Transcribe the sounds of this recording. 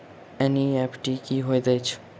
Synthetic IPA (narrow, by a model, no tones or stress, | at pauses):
ɛniɛpʈikiɦoid̪əjt͡ʃʰ